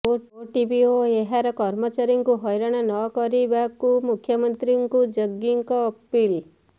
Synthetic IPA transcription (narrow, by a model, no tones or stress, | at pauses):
ooʈibioeɦaɾɔkɔɾmɔt͡ʃaɾjiŋkuɦɔjɾaɽ̃ɔnɔkɔɾibakumukʰjɔmənt̪ɾiŋkud͡ʒəɡiŋkɔːpil